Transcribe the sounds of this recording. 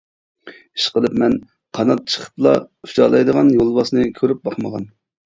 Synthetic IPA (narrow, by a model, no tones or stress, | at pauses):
i̥ʃqəlˠɨpmɛn | qʰɑnɑt̪̚t͡ʃʰə̥χʰə̥plˠɑ̰y̥t͡ʃɑ̰ːlˠɑjd̪əʁɑnjolˠbɑsnɨkʲʰøɾyp̚bɑχməʁɑn